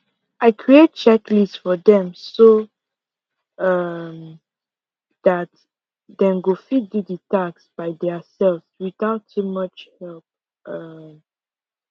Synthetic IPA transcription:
ʔaɪkʰɹiet̚t͡ʃɛklissfɔðɛ̃mso | ʌm | ðat | dɛ̃mɡofidudətaksb̥aɪdɛsɛlvswiθaʊtʰːumʌt͡ʃhɛlp̚ | ʌm

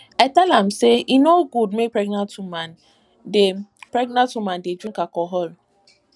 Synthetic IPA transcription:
atɛlam̩seinoɡud̚mepɹɾɛɡnantuman | depɾɛɡnãntumãnded͡ʒunkakɔɦɔl

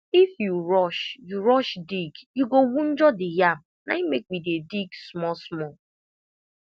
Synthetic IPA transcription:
ifjuɹɔʃjuɾɔʃdiɡjuɡowun̩d͡ʒɔdɪjab̚ | naimek̚midediɡsmɔsmɔ

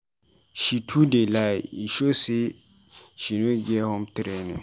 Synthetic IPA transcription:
ʃitʰudelaiʃose | ʃinũɡɛhɔ̃mtɪɾɛnɪ̰̃

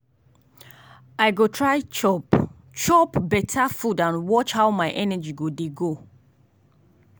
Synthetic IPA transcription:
aɪɡotʰɹaɪt͡ʃɔp | t͡ʃɔpbɛtʰafudãnwɔt͡ʃhawmaɪʔɛnad͡ʒiɡodeɡo

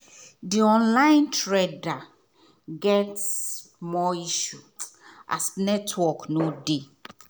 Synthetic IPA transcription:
diɔ̃nlãɪ̃ntɹeda | ɡɛts | mɔiʃuʔa̰snɛtʰwɔknode

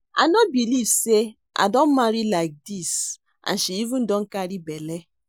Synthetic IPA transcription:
a̰nɔt̚bilivse | ʔa̰dɔn̩maɾilaɪk̚dis | ʔa̰nʃiivũn̩dɔŋ̩kaɾibele

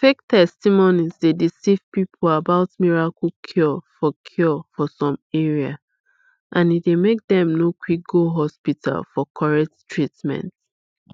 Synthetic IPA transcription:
fek̚tɛstimonizdedisiv̥pipʰolabaʊtmiɹakl̩kʰjɔfɔkʰjɔfɔsɔ̃mɛɹia̰ | ʔãnit̚demek̚dɛ̃mnokwik̚ɡ̥oɦɔspita̰lfɔkʰɔɹɛk̚ttʰɹitmɛ̰̃nt

